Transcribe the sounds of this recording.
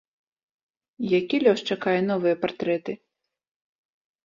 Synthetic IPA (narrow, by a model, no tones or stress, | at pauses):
jakʲilʲɔʂt͡ʂakajɛnɔvɨjɐpart̪ɾɛt̪ɨ